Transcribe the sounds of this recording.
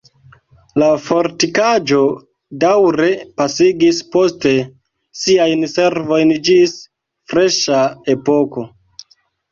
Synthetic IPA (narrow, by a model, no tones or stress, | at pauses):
lafoɾtikad͡ʒo̞ | dawɾe̞pasiɡispo̞ste̞ | siajnse̞ɾvo̞jnd͡ʒis | fɾe̞ʃae̞po̞ko̞